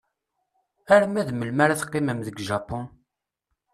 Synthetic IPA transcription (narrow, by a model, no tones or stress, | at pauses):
æɾmæðməlmaɾaθə̥qːiməmðəɡʒɑpʊn